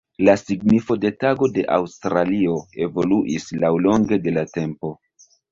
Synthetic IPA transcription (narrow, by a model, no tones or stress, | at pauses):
lasiɡnifo̞de̞taɡo̞de̞ʔa̰wstɾalio̞e̞vo̞luʔislawlo̞ŋɡe̞de̞late̞mpo̞